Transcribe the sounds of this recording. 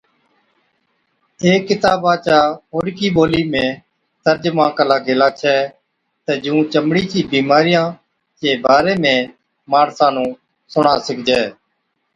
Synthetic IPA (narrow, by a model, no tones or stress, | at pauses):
eːkːɪt̪aːbaːt͡ʃaːɦoːɽkiːboːliːmẽː | t̪əɾd͡ʒmãːkəlaːɡʱeːlaːt͡ʃʰɛː | t̪eːd͡ʒũːt͡ʃəmɽiːt͡ʃiːbiːmaːɾɪjãː | d͡ʒeːbaːɾeːmẽː | maːɽsãːnũː | sʊɳaːsɪkʰd͡ʒɛː